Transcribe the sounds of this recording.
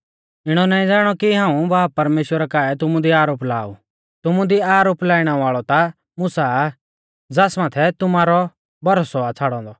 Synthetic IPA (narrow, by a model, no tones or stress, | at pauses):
ɪɽ̃ɔnaːĩd͡zaːɽ̃ɔkiɦãːũbaːpɐɾmeːʃwəɾakaːɛt̪̬ʊmũd̪iaːɾoːpla̰ːṵ | t̪ʊmũd̪iaːɾoːplaːɪɽ̃aʋaːɭɔt̪a | mʊsaː | d͡zaːsmãːt̪ʰɛt̪ʊmaːɾɔ | bɐɾosɔat͡sʰaːɽɔ̃ːnd̪ɔ